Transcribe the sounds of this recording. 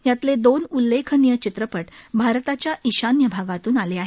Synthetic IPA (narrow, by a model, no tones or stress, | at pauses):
jat̪led̪onulːekʰənijət͡ɕit̪ɾəpəʈbʱaɾt̪at͡ɕjaʔiɕanjəbʱaɡat̪uːnaleaɦe